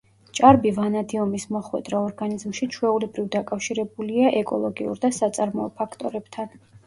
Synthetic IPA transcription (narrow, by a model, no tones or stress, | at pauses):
t͡ʃʼaɾbivanad̪iɔmismɔχwɛ̰d̪ɾaɔɾɡanizmʃit͡ʃʰwɛulɛbɾivd̪akʼafʃiɾɛbuliaʔɛkʼɔlˠɔɡiṵɾd̪asat̪sʼaɾmɔɔpʰakʰt̪ʼɔɾɛb̥t̪ʰan